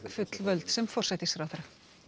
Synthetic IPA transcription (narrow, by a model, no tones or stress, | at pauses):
fʏt̪lvœlt̪sɛmfɔr̥sɛt̪ɪsfɾawθaɾa